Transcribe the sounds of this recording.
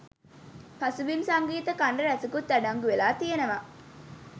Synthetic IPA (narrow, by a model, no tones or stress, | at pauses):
pɐsubimsaŋɡiːt̪əkaɳɖɐɾæsukut̪ːæɖaŋɡuʋelaːt̪ijenəʋa